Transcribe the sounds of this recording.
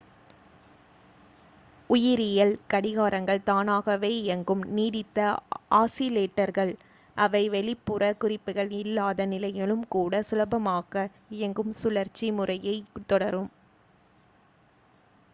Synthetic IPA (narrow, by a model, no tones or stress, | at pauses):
ʊjɪɾɪjɐlkɐɽɪɣaːɾɐŋɡɐɭt̪aːnaːɣɐʋeːɛŋɡɯmniːðɪt̪ːɐaːsɪleːʈːɐɾɣɐɭ | ʔɐʋɐɪʋɛɭɪpːɯrɐkʊrɪpːɯɣɐɭɪlːaːðɐnɪlɐjɪlɯmkuːɽɐsʊlɐbɐmaːɣɐ | ɛŋɡɯmsʊlɐɾt͡ʃːimʊrɐjɐɪt̪ːɔɽɐɾɯm